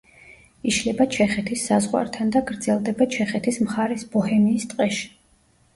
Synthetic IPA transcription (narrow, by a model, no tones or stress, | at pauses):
iʃlɛbat͡ʃʰɛχɛt̪ʰisːazʁwa̰ɾt̪ʰand̪aɡɾd̪zɛlˠd̪ɛbat͡ʃʰɛχɛt̪ʰismχaɾɛsbɔhɛmiːst̪ʼqʼɛʃi̥